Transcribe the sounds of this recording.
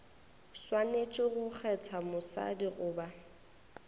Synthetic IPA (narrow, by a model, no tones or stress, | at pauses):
swanet͡ʃʼɪɣʊk͡xʰɛt͡sʰamʊsa̰diɣʊːba